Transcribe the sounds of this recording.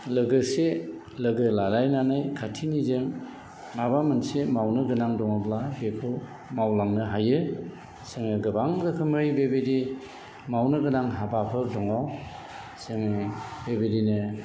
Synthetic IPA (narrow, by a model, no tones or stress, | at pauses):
lɯɡɯse | lɯɡɯlaɾajnanɯjkʰatʰinizɯŋ | mabamɯnsemawnɯɡɯnaŋdɔŋɔblabepʰɯ | mawlaŋnɯɦajɯ | seŋɯɡɯbaŋdɯkʰɯmɯjbebedi | mawnɯɡɯnaŋɦabapʰɯɾdɔŋaw | seŋɯbebedinɯ